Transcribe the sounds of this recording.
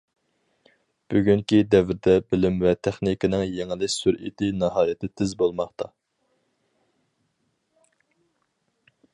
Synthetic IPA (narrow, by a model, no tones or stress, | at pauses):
b̥yɡʲyŋkʲid̪ɛvɪɾd̪ɛbɪlɪmvɛt̪ʰæχnikɪnɨŋjeŋɪlɪkʲsyɾḭd̪ɪnɑɦɑːjɪt̪ʰɪt̪ʰɪzbolˠmɑχt̪ʰɑ